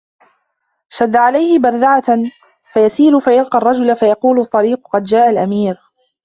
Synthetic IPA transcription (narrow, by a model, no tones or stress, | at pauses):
ʃad̪ːaʕalajhɪbɑɾˤd̪aʕa | fajasiːlʊfajalqɑrˤːɑd͡ʒʊlafajɑquːlʊt̪ˤːɑɾiːqʊqɑd̪d͡ʒaːʔalʔamiːɾ